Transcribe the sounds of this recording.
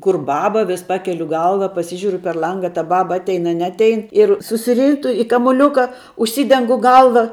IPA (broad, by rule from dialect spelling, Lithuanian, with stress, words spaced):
ˈkʊr ˈbɑːbɐ ʋʲɪs ˈpɑːkʲɛlʲʊ ˈɡɐlˠʋɐ pɐˈsʲɪʒʲʊrʲʊ pʲɛr ˈlˠɐŋɡɐ ɐ tɐ ˈbɑːbɐ ˈɑːtʲɛɪn ɐ ˈnʲɛɐtʲɛɪn ɪr sʊsʲɪˈrʲiːtʊ ɪ kɐmʊˈlʲuːkɐ ʊʃʲˈsʲiːdʲɛŋɡʊ ˈɡɐlˠʋɐ